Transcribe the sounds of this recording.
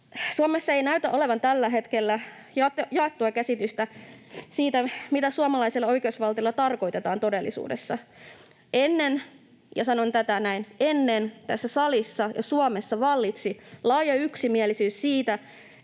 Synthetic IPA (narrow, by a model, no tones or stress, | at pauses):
suɑmesːɑe̞ijnæyt̪æʔole̞ʋɑnt̪ælːæɦe̞t̪kelːæ | jɑt̪ːjɑet̪ːuɑkæsit̪yst̪æsiːt̪æmit̪æsuɑmɑlɑiselːɑo̞jkeusʋɑlt̪ijolːɑt̪ɑrko̞jt̪e̞t̪ɑːnt̪o̞delːḭsṵːdḛsːɑ | ʔenːen | jɑ̰sɑnont̪æt̪ænæinenːent̪æsːæsɑlisːɑjɑ̰suɑmesːɑʋɑlːit̪silɑːjɑyksimiælisyːssiːt̪æ